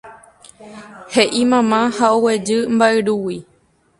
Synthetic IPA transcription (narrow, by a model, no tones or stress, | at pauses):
heʔimãmãhaowe̞d͡ʒɨmbaʔeɾuwi